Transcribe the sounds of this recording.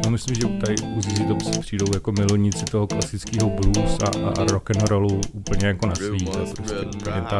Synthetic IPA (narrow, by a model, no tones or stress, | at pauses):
nomɪslimʒɛt̪adɪuzizit̪opsɪ̥pr̝̥iːdo̞wjakomɪluɲɪt͡sɪt̪oɦoklasɪt͡skiːɦobluːsa̰ɾokɛnɾoluuːpl̩ɲɛjakonasvit̪ɛpɾoscɛʔupl̩ɲɛt̪a